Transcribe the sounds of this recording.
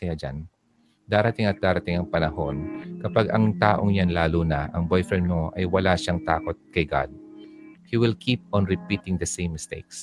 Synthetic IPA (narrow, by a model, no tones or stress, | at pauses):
kɐjad͡ʒa̰n | d̪aːɾɐt̪ɪŋɐt̪̚d̪aːɾɐt̪ɪŋɐŋpɐnɐho̞nkɐpaɡɐŋt̪aːʔoŋjanlaːlunɐʔɐŋbojfɾɛnmnoʔɐjwɐlaʃaŋt̪a̰ːko̞t̪̚kɐjɡa̰d̪̚hiwɪlkʰip̚ɔ̃nɹɪpiːt̪ɪŋd̪ɐsejmːɪst̪ḛjks